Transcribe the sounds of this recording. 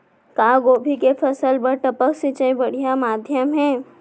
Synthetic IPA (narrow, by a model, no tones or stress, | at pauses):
kaːɡoːbʱikepʰɐsəlbəɾʈɐpəksɪt͡ʃəibɐɽ̤ijamaːd̪ʱjəmɦɛː